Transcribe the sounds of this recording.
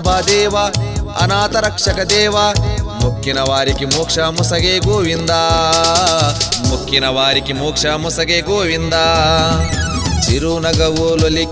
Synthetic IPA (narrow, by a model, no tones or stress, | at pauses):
bʱaːd̪ɛːʋɐɐ̰naːt̪ɐɾɐkʂɐkɐd̪ɛːʋɐmukʰjinɐʋaːɾikimoːkʂɐmusɐɡeːɡoːʋind̪aː | mukʰjinɐʋaːɾikimoːkʂɐmusɐɡeːɡoːʋind̪aː | t͡ʃiɾunɐɡɐʋuːloli